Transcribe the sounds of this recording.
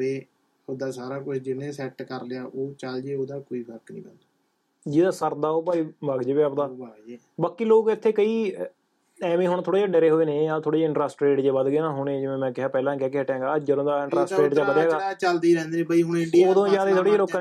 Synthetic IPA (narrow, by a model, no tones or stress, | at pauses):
eː | oːd̪aːsaːɾaːkʊt͡ʃʰd͡ʒɪnẽːsɛːʈkəɾleaːʔoːt͡ʃəld͡ʒeːoːd̪aːkoːiːpʰəɾknĩːpɛ̃nd̪aː | d͡ʒiːd̪aːsəɾd̪aːoːpaːiːbaːɡd͡ʒeːʋjaːpd̪aː | baːkiːloːkɪt̪ʰːeːkəiː | ɛːmĩːɦʊɳt̪ʰoːɽeːd͡ʒaːɖeɾeːɦoːeːneːat̪ʰoːɽeːd͡ʒaːɪɳʈɾaːsʈɾeːʈd͡ʒeːbəd̪ɡeːnãːɦʊɳeːd͡ʒɪʋẽːmɛ̃ːkɪɦãːpɛːlãːkɛːk̬ɪɦɛːʈɛ̃ːɡaːəd͡ʒəɾõːd̪aːɪɳʈɾaːsʈɾeːʈd͡ʒaːbəd̪ɛːɡaːt͡ʃəld̪iːɾɛ̃ːnd̪eːnẽːbəiɦʊnɖoːd̪õːd͡ʒaːd̪eːt̪ʰoːɽeːd͡ʒaːɾoːkː